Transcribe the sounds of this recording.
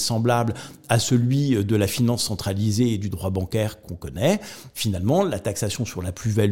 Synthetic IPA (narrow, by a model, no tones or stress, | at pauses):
sɑ̃blablasəlɥid̪əlafinɑ̃sːɑ̃t̪χalizeːd̪yd̪ʁwabɑ̃kɛʁkɔ̃kɔnɛfinalmɑ̃lat̪aksasjɔ̃syʁlaplyval